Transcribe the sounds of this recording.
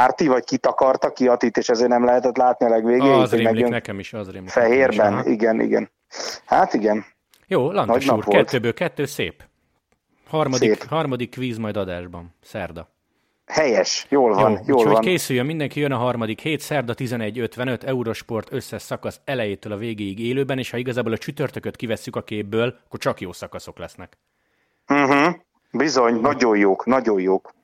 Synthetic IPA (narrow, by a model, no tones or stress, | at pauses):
aːrt̪ivɒckit̪ɒkɒrt̪ɒkːiɒt̪iːt̪ːeːʃɛzeːrnɛmlɛɦɛt̪ɛt̪laːt̪niɒlɛɡʋeːɡeːzemɛlijønɛkɛmiʃɒzreːmlifɛɦeːrbɛnḭɡɛnḭɡɛ̰n | hat̪iɡɛn | joːlɒnnɟnʃuːʋokɛt̪ːøːbøːlkɛt̪ːøːsḛːp | hɒrmɒd̪ihɒrmɒd̪ikːʋiːzmɒjd̪ɒd̪aːʒbɒnsɛrd̪ɒ | hɛjɛʃjoːlvɒnjoːlonkeːsyjømind̪ɛŋkijønɒɦɒrmɒd̪ikheːt̪sɛrd̪ɒt̪izɛnɛɟːø̞t̪ʋɛnø̞t̪ɛuɾo̞ʃpo̞rt̪ø̞sːɛʃsɒkɒsɛlɛjeːt̪øːlɒveːɡeːjiɡeːløːbɛneːʃhɒiɡɒzaːboːlɒt͡ʃyt̪ørt̪økøt̪kivɛsːykɒkeːbːøːlɒkːo̞rt͡ʃɒkjoːsɒkɒso̞klɛsnɛk | m̩ɦ̩ | bizo̞ɲnɒɟojoːknɒɟojoːk